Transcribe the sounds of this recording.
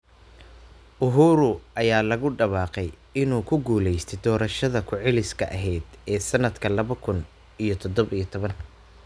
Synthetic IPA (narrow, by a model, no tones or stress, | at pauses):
ʔʊɦuːɾʊʔɐjaːlɐɣʊɖɐβɑːqɛj | ɪnuːkʰʊɡuːlɛjst̪ʰɛd̪ɔːɾɐʃɐðɐkʰʊʕɛlɪskʰɐʔɐɦɛjd̪ʔɛːsɐnɐd̪kʰɐlɐβɐkʰʊn | ʔijɞt̪ʰɔd̪ɔβijɔt̪ʰɔβɐn